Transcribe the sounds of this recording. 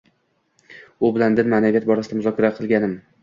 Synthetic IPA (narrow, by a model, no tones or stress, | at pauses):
ʊbɪland̪ɪnmanaɡʲat̪̚bɒɾasɪd̪amʊzɒkʲʰaɾaqʰɨlˠɡʲanɪm